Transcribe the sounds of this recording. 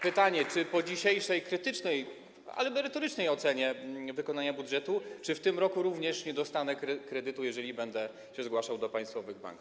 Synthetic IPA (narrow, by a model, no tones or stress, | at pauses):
pɘt̪aɲɛt͡ʂɘpɔd͡ʑiɕejʂɛjkɾɘt̪ɘt͡ʂnɛj | a̰lɛmɛɾɘt̪ɔɾɘt͡ʂnɛjɔt̪sɛɲɛvɘkɔnaɲabud̪ʐɛt̪ut͡ʂɘft̪ɘmɾɔkuɾuvɲɛʂɲɛd̪ɔst̪anɛkɾkɾɛd̪ɘt̪ujɛʐɛlʲibɛnd̪ɛ | ɕɛzɡwaʂawd̪ɔpãj̃st̪fɔvɘɣba̰ŋku